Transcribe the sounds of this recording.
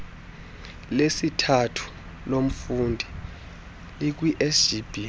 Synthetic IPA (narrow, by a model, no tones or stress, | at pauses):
lesitʰatʰu̥ | lom̩fundʱi | lik̬wiʔeʒ̥ib̥ʱi